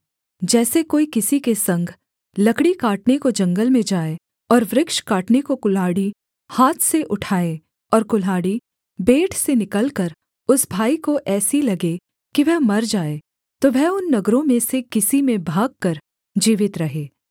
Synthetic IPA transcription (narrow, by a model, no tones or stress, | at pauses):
d͡ʒɛːsekoːikɪsikesɐ̃ŋɡʱ | lɐkɽikaːʈnekod͡ʒɐ̃ŋɡəlmẽd͡ʒaːe | ɔːɾʋɾɪkʃkaːʈnekokʊlaːɽi | haːt̪ʰseʔʊʈʰaːe | ɔːɾkʊlaːɽi | beːʈʰsenɪkəlkəɾ | ʊsbʱaːikoʔɛːsilɐɡe | kiʋɛɦmɐɾd͡ʒaːe | t̪oʋɛɦʊnːɐɡɾõmẽsekɪsimẽbʱaːɡ̚kɐɾ | d͡ʒiːʋɪt̪ɾɐɦeː